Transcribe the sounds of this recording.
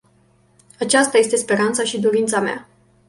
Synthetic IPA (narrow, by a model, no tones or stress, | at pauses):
at͡ʃast̪aje̞st̪e̞spe̞ɾant̪saʃid̪o̞ɾint̪samea̰